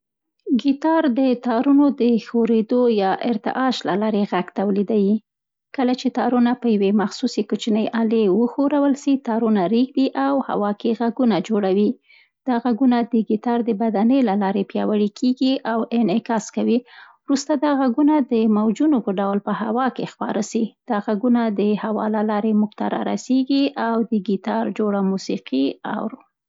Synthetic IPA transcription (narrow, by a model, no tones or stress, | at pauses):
ɡit̪ɑɾd̪ət̪ɑɾunod̪əxoɾed̪ojɑʔɪɾt̪ɪ̰ʔɑʃlalɑɾeɣaɡt̪awlid̪awi | kəlat͡ʃet̪ɑɾunapəjawemaxsusekut͡ʃinəjʔalewəxoɾawəlsit̪ɑɾunaɾiɡd̪iʔawha̰wɑkeɣaɡunad͡ʒoɽawi | d̪̥ɑɣaɡunad̪əɡit̪ɑɾd̪əbad̪anəlalɑɾepjɑwaɽikʰeɡiʔawɪnɪkɑskawiwɾust̪ad̪ɑɣaɡunad̪əmawd͡ʒunopəɖawlpəhawɑkexpɑ̰ɾasid̪̥ɑɣaɡunad̪əhawɑ̰lalɑɾemʊkt̪a̰ɾɑ̰ɾa̰seɡiʔawd̪əɡit̪ɑɾd͡ʒoɽamusiqiɑ̰wɾ